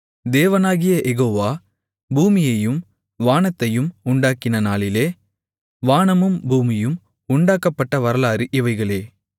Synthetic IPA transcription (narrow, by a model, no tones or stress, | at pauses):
d̪eːʋɐnaːɣɪjɐʔɛɣoːʋaː | buːmɪjɐjɯm | ʋaːɳɐt̪ːɐjɯmʊɳɖaːkɪnɐnaːlɪleː | ʋaːɳɐmɯmbuːmɪjɯm | ʊɳɖaːkːɐpːɐʈːɐʋɐɾɐlaːɾɯʔɪʋɐɪɣɐɭeː